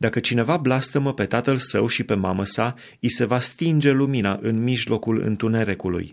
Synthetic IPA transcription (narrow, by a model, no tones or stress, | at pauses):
d̪akət͡ʃine̞vablast̪əməpe̞t̪at̪əlsəwʃipe̞maməsa | ise̞vast̪ind͡ʒe̞luminaʔɨnmiʒlo̞kulɨ̰nt̪une̞ɾe̞kulṵj